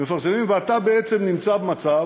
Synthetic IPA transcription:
mefaʁsemimveat̪abeet͡semnimt͡sabemat͡sa

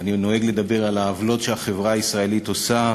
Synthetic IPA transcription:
anino̞eɡled̪abe̞ʁalaːvlo̞tʃeaχe̞vʁaːisʁae̞lito̞sa

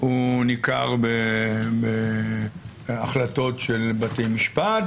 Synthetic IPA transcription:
unika̰ʁbebe | aχlato̞tʃelbatejmiʃpat

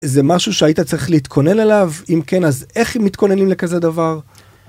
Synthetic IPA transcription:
zemaʃuʃeait̪at͡saʁiχliːt̪kʰo̞ne̞nelavimke̞naze̞χemːit̪ko̞ne̞nimle̞kaze̞d̪avaʁ

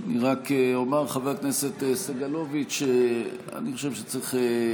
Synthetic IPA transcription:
niʁakeomaʁχaveʁkneset̪esaɡalovit͡ʃe | a̰niχoʃevʃet͡siχe

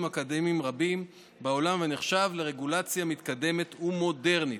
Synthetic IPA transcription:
makad̪emimʁabim | bao̞lamveneχʃavle̞ʁe̞ɡulat͡sjamit̪kad̪e̞me̞t̪umo̞de̞ʁnit

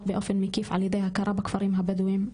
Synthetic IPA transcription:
bɪʔofɪnmɪkiːfʕaljad̪eːjhakɑɾˤɑːbakfɑɾˤiːmɦabad̪uwiːm

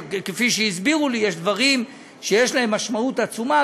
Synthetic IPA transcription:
kefiʃejizbiʁulijeʃd̪vaʁim | ʃejeʃlaɦe̞mːaʃmaut̪at͡suma

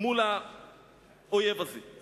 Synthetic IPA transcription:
mula | ʊjɛfasɪ

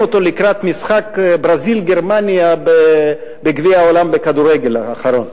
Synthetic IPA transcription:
ot̪o̞likʁat̪misχakbʁazilɡeʁmanjabe | beɡviaolambekad̪uɾeɡelaχaɾon

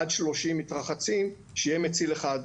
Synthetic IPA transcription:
ad̪ʃlo̞ʃimːitʁaχat͡sim | ʃejemet͡sileχad

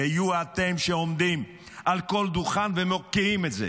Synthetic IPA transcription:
hajuat̪emʃeomd̪im | ʔalko̞ld̪uχanvemokiimetzḛ

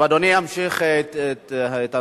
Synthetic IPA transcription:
ad̪oniamʃiχetet̪a

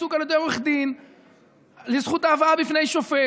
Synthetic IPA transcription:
sukalod̪omeχd̪in | lizχut̪aːvaabifne̞jʃofe

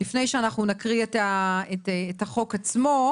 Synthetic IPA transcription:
lifne̞jʃeanaχnunakʁiet̪aetːtaχo̞kat͡smo̞

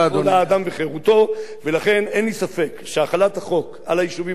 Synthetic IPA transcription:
olaːd̪amveχeʁut̪o̞velaχe̞nenlisafe̞kʃeaχalat̪haχo̞k | a̰lajiʃuvi

